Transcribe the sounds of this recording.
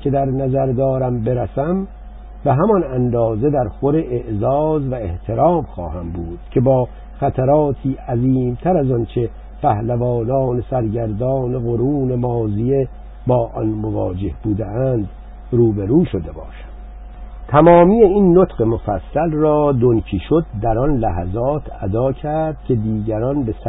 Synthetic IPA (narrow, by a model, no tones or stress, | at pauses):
cʰe̞d̪æɾnæzæɾd̪ɒːɾæmbe̞ɾæsæm | be̞ɦæmɒnænd̪ɒːze̞d̪æɾxoɾeʔeʔzɒːzvæeht̪ʰe̞ɾɒːmxɒ̰ːhæmbuːd̪̥cʰe̞bɒː | xæt̪ʰæɾɒːt̪ʰiːʔæziːmt̪ʰæɾæzɒnt͡ʃʰe̞ | pʰæhlævɒːnɒːnesæɾɟæɾd̪ɒːneɣoɾuːne̞mɒːzije | bɒːʔɒnmovɒ̰ːd͡ʒe̞hbuːd̪eʔæːnd̪ | ɾuːbeɾuːʃo̞d̪e̞bɒ̰ːʃæmd̪̥ | t̪ʰæmɒːmiːjeinːot̪ɢe̞mofæsːælrɒːd̪oncʰiːʃo̞d̪̚ːæɾɒnlæɦæ̰zɒːt̪ʰæd̪ɒːcʰæɾd̪̥̚cʲʰe̞d̪iːɟæɾɒnbe̞s